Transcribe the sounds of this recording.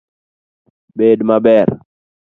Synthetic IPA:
bedmabɛɾ

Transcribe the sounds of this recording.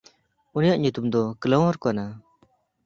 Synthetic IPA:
unijaʔɲut̪umd̪ɔklɔ̃wɦɔɾkɔana

